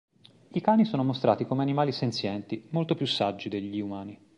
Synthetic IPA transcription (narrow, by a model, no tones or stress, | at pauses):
ikaːnisoːnomost̪ɾa̰ːt̪ikomeanimaːlisent̪sjɛnt̪imolt̪opjusːad͡ʒːid̪eʎːiumaːni